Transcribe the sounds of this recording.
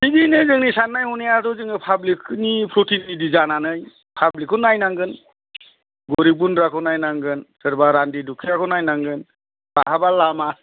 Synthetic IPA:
siɡinɯzɯŋnisanːajhɔnejatɔzɯŋɯpʰablikʰnipʰɾotinːidizananɯj | pʰablikʰɔnajnaŋɡɯn | ɡoɾibunɾakʰɔnajnaŋɡɯnsɯɾbaɾandidukʰijakʰɔnajnaŋɡɯn | b̥aɦabalama

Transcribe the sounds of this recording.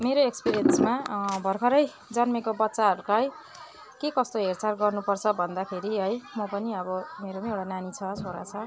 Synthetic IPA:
meɾoekspiɾiʌnsmabʱʌrkʰʌɾʌj | d͡zʌnmekobʌtːsaɦʌɾukaj | kekʌst̪oɦert͡sarɡʌrnupʌrt͡sʰʌbʱʌnd̪akʰeɾiɦʌjmʌpʌniʌbʌmeɾomaewɽananit͡sʰʌt͡sʰoɽa̰t͡sʰʌ

